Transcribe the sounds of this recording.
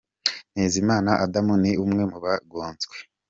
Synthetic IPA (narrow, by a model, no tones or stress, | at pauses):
neːzimaːnaʔadamuniumŋe̞muβaɡoːnzɡwe̥